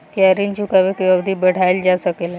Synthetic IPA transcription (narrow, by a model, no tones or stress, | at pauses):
kiaɾint͡ɕukaʋekjəbd̪ʱibəɽ̤ajld͡ʑasəkel